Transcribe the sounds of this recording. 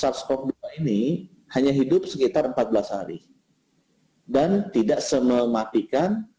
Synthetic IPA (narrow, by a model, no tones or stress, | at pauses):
sapskɔk̚duaini | haɲaɦidʊp̚səkit̪arəmpat̪̚bəlasha̰ɾḭ | dant̪idaʔsəməmat̪ikan